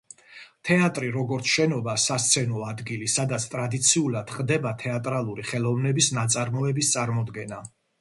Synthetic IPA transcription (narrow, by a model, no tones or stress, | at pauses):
t̪ʰɛat̪ʼɾiɾɔɡɔɾt̪sʰʃɛnɔbasast̪sʰɛnɔad̪ɡilisad̪at̪sʰt̪ʼɾad̪it̪sʰiulˠad̪̥χd̪ɛbat̪ʰɛat̪ʼɾalˠuɾiχɛlˠɔvnɛbisnat̪sʼaɾmɔɛbist̪sʼaɾmɔd̪ɡɛna